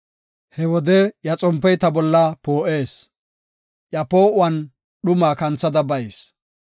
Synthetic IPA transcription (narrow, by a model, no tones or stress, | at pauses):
hɛwɔd̪ɛjɐt͡sʼɔmpːɛjt̪ɐbɔlːɐpoːʔe̞ːs | ʔjɐpo̞ːʔʊwɐn | ɗʊmaːkɐnt͡sːɐd̪ɐbɐjs